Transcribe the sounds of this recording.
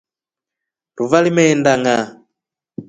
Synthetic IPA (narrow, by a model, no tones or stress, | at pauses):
tuvalimɛndaŋa